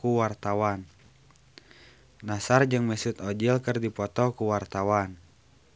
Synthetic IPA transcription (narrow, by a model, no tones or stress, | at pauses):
kuwart̪awan | asard͡ʒɨŋmɛsut̪ɔd͡ʒilkərdipɔt̪ɔkuwart̪awan